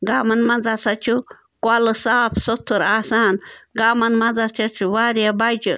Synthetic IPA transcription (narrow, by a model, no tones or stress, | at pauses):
ɡaːmɐnmɐnd͡zasat͡ʃʰu | kwalɨsaːpʰsot̪ʰːuɾaːsaːnɡaːmɐnmɐd͡zast͡ʃʰat͡ʃʰuʋaːɾjabajt͡ʃi